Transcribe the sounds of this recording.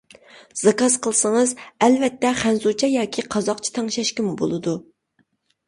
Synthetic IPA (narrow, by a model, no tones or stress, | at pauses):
z̥ɑkɑzqʰəlˠɨsəŋəzɛlvɛt̪ːɛχænzut͡ʃʰɛjɑːkʲʰiqʰɑzɑqt͡ʃʰi̥t̪ʰɛŋʃɛʃkʲɪmubo̰lˠɨd̪u